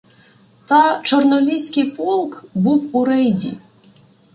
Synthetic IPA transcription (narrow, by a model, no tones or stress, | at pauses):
t̪at͡ʃɔrnɔlʲisʲkʲijpɔlˠkbuwuɾɛjdʲḭ